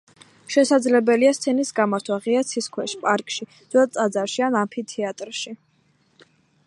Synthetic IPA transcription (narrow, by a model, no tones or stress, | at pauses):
ʃɛsad̪zlɛbɛliast̪sʰɛnisɡamaɾt̪ʰwaʁiat̪sʰiskʰwɛʃpʼaɾkʼʃid̪zɛat̪sʼad̪zaɾʃianampʰit̪ʰɛat̪ʼɾʃi